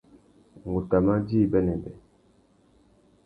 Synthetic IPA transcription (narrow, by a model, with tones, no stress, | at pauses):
ŋ˨ɡu˨ta˨ma˦di˦˨bɛ˦nɛ˨bɛ˨